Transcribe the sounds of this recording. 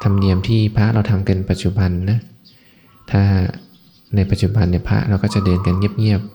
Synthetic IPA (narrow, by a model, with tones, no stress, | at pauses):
t̪ʰa˧mni˧əmt̪ʰiː˥˩pʰa˦˥ʔɾa˧wt̪ʰa˧mka˧npa˨t̪̚t͡ɕu˨˩ba˧nːa˦˥ | t̪ʰaː˥˩ | na˧jpa˧˩t̪̚t͡ɕu˨˩ba˧nːi˥˩pʰa̰˦˥ʔɾa˧wkɔː˥˩t͡ɕa˨˩dɤː˧nka˧nŋi˥˩əp̚ŋi˥˩əp̚